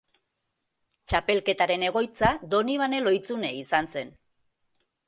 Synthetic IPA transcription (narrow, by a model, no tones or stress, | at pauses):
t͡ʃape̞lke̞t̪aɾe̞ne̞ɣ̞o̞jt͡sad̪o̞niβane̞lo̞jt͡sune̞isanse̞n